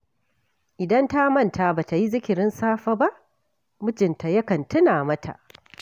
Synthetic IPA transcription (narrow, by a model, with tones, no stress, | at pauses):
ʔɪ˨dɐ˦nta˦mɐ˦ntʰa˨ba˨ta˨ji˦zɪ˦kʲɪ˨ɾɪ˦nsaː˦ɸa˦ba˦ʔ | mʊ˦d͡ʒɪ˨nta˨jɐ˦kɐ˨ntʊ˦naː˨mɐ˦tʰa̰˨ʔ